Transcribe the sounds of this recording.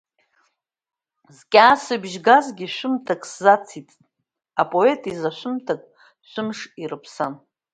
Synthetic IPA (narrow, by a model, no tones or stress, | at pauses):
zkʲʼaːsɨbʒɡazɡʲiʃʷʊmtʰakʼszat͡sʰitʼ | apʼo̞e̞tʼizaʃʷʊmtʰakʼ | ʃʷʰʊmʂirɨpʰsan